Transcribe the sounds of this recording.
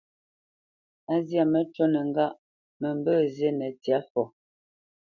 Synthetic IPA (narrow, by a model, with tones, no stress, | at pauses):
a˦zja˦˨mə˦t͡ʃo˦nɛ˨ŋɡa˦ʔ | mɛ˨mbə˦˨ze˦nɛ˨tja˨˦fɔ˨